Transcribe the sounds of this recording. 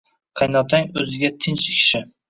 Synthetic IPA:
qʰɑjnɒt̪ʰaŋɵzɪɡʲat̪ʰɪnt͡ʃɪkʲʰʃɪ

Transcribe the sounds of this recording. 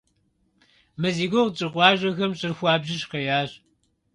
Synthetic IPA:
mɐziːɡʷoʁt͡ʃʼɪqʷɑːʒʷɐxɐmɕʼɪrxʷɑːbʒɪɕqɐjaːɕ

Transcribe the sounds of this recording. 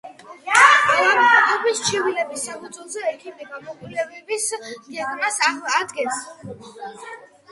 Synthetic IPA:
amɔat̪ʰɔbist͡ʃʰivilɛbisːapʰud̪zʼwɔlˠzɛːkʰimd̪ɛɡamɔɡulɛbɛbisɡɛɡ̪ʼmasaad̪ɡɛns

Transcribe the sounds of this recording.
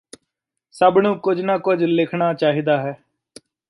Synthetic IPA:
səbnũːkʊd͡ʒnaːkʊd͡ʒlɪkʰnaːt͡ʃaːɦiːd̪aːɦɛː

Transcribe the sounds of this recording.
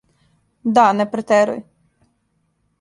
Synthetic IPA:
d̪ɑnɛpɾɛt̪ɛɾʊ̰j

